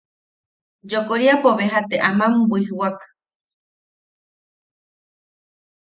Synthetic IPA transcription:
d͡ʒokoɾiapoβeɦat̪eʔamãmbuiɦɨwak

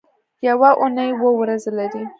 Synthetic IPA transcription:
jawaʔʊnəjwəwɾazlaɾi

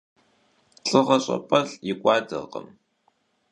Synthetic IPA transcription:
ɬʼɨʁɐɕʼɐ̰pʼɐɬjɪkʷʼɑːdɐ̰qə̰m

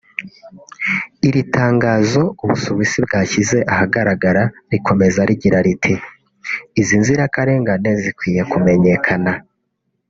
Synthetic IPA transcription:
iɾitʰaːŋɡaːzo̞uβṵsoβisibɡaːçize̞ʔahaɡaɾaɡaɾaɾikʰo̞me̞zaɾiɟiɾaɾitʰi | izinziɾakaɾe̞ːŋɡane̞zikwiːjekume̞ɲe̞kʰana

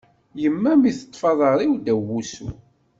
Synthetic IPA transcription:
jəmːæmiθə̥t̪ˤːfɑðˤəɾˤiwd̪æwːusṵ

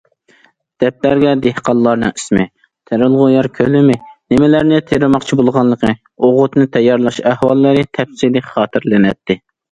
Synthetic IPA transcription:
d̪̥ɛp̪̚læɾɡʲɛd̪ehqɑlˠːɑɾnɨŋismɪ | t̪ʰeɾɪlˠʁʊjɑɾkʲʰølɪmɪnɪmɪlæɾnɪt̪ʰeɾɪmɑqt͡ʃʰibolˠʁɑnlːˠəqʰɨ | oʁʊt̪nɨt̪ʰɛjːɑɾlˠɑʃæhwɑlˠːɨɾɨt̪ʰɛpsilɪχɑːt̪ʰɪɾlɪnɛ̰t̪ʰːɪ

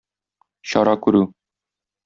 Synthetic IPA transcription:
ɕɒɾɑkʉɾʉ

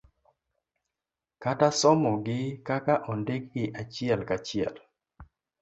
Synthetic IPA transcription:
katasɔmɔɡɪkakaʔɔndɪkɪʔat͡ʃɪɛlkat͡ʃɪɛ̰l

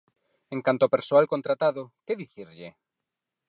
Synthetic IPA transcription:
ẽŋkant̪oapeɾsoalkont̪ɾat̪aðʊkeðiθiɾʎɪ

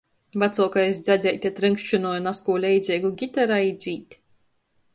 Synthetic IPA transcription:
bat̪suɔkajsd̪zʲazʲɛjt̪ʲɛt̪ɾɨŋkʃt͡ʃɨnɔːjunaskuːlʲɛjd̪zʲeːɡuɡʲit̪aɾaid̪zʲiːt̪ʲ

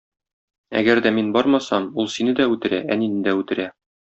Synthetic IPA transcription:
æ̰ɡæɾd̪æminbɒɾmɑsɑmulˠsinɘd̪æʉt̪ɘ̆ɾææninɘ̆d̪æʉt̪ɘ̆ɾæ

